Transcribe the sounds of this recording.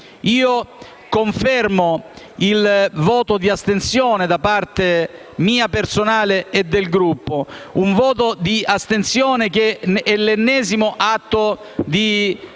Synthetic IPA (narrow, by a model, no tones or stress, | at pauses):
iːo | koɱfɛrmo | ilvɔːt̪od̪iast̪ensjɔːned̪apart̪e | miːapersonaːleːd̪ːelɡɾupːouɱvɔːt̪od̪iast̪ensjɔːnek̟eɛlːenːɛːzimoʔat̪ːo | d̪i